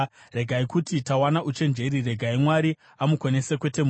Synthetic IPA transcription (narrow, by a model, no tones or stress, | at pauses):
ɾe̞ɡʱaikutitawanaʔut͡ʃe̞nd͡ʒe̞ɾire̞ɡʱaimwaɾi | amuko̞ne̞sekwe̞te̞m